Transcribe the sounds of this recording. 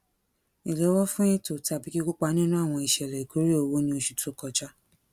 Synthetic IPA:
i˨le˨˦wɔ˦fũ˦ĩ˦to˨ta˧˨bi˨˦ki˦ku˦k͡pa˦nĩ˦nũ˦a˦˨w̃ɔ̃˧i˨ʃɛ˨ɾɛ˨i˨ko˨˦ɾe˦o˧wo˦nĩ˧o˧ʃu̥˨to˨˦kɔ˧t͡ʃa˦

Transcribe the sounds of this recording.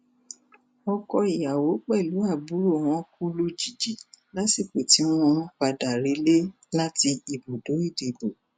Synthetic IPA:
ɔ˧kɔ˧i˨ja˨wo˨˦k͡pɛ˦˨lu˨˦a˦˨bu˨˦ɾo˦˨w̃ɔ̃˦ku˦lo˦d͡ʒi˨d͡ʒi˨la˦si˦˨k͡pe˨ti˨˦w̃ɔ̃˧ɔ̃˦k͡pa˧da˨ɾe˨˦le˦ | la˦ti˧i˨bo˨do˨˦i˦˨de˨bo˨

